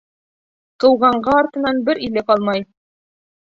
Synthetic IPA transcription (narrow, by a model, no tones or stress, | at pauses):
qɤ̆wʁɑɴɢɑɒɾt̪ɤ̆nɑnbɘɾilɘkɑlˠmɑj